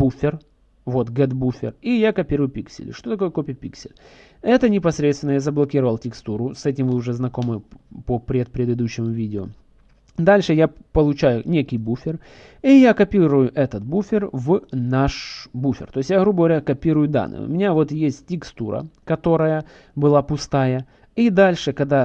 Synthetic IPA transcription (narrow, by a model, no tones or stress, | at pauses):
bufʲɪr | vo̞t̪ɡɛd̪bufʲɪ̰rijakɐpʲiɾʊjʊpʲiksʲɪ̰lʲɪ̰ʂt̪o̞t̪ɐko̞jəko̞pʲɪjəpʲiksʲɪ̰lʲ | ɛt̪ənʲɪpɐsɾʲet̪stʲɪnəjazəblˠɐkʲiɾəvəlˠtʲɪkst̪uɾʊsɛt̬ʲɪmvɨʊʐɛznɐko̞mɨpəpɾʲet̪̚pɾʲɪd̪ɨd̪uɕːɪmʊvʲidʲɪo | d̪alʲʂɨjapəlˠʊt͡ɕæjʊnʲekʲɪjbufʲɪr | ijakɐpʲiɾʊjʊʔɛt̪ət̪̚bufʲɪrvnaʂbufʲɪ̰rt̪o̞ɪsʲtʲjaɣɾubəɡəvɐɾʲakɐpʲiɾʊjʊd̪a̰nːɨ̰jʊ̰mʲɪnʲavo̞t̪jesʲtʲtʲːɪkst̪uɾə̰kɐt̪o̞ɾəjə | bɨlˠapʊst̪ajə | id̪alʲʂɨkɐɡd̪a